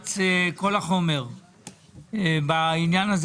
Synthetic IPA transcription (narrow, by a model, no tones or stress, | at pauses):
t͡seko̞laχo̞me̞ʁ | bainjanaz